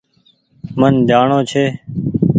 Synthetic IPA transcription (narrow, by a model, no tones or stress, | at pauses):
mənd̪ʱjaːɳoːt͡ʃʰeː